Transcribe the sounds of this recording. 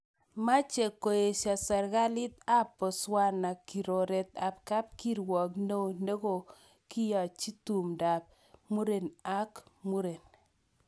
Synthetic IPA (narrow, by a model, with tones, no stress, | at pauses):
ma˦t͡ʃe˨ko˨e˨ʃa˨sɛ˨ɾɡa˦lɪ˦t̪̚a˦pɔ˨swa˦na˨ki˨ɾo˨ɾe˨t̪a˨p̚ka˦p̚ki˦ɾwɔ˨kno˦ne˦ɡo˨ | kɪ˦ja˨t͡ʃi˦tu˨mda˨p̚ | mu˦ɾe˨na˦kmu˦ɾe˨n